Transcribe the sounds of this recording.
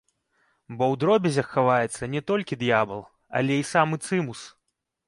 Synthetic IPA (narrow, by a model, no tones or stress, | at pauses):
bɔwd̪ɾɔbʲɛzʲɐxːavajɛt̪sːɐnʲɛt̪ɔlʲkʲid̪jabɐlˠ | ɐ̰lʲɛisamɨt̪sɨmus